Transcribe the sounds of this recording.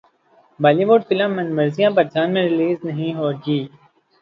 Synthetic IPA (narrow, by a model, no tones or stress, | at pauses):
baːliʋoːɖfɪlə̃mːɐnmɐɾzijãpɐɾd͡ʒaːnmẽɾɪliːznɐɦĩɦoːɡiː